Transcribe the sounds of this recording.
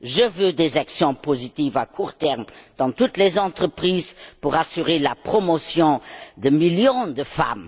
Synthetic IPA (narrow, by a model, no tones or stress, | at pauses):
ʒəvød̪ezaksjɔ̃pozit̪ivakʰuʁt̪ɛʁmd̪̥ɑ̃t̪ut̪lezɑ̃t̪ʁəpχiːzpuʁasyʁelapχɔmosjɔ̃d̪əmiljɔ̃d̪əfa̰m